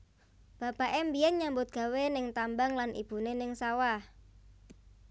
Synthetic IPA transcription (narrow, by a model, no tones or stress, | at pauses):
b̥a̤b̥aʔembijɛnɲambʊt̪̚ɡ̥a̤wenɪŋt̪ambaŋlanʔḭb̥ṳnenɪŋsawah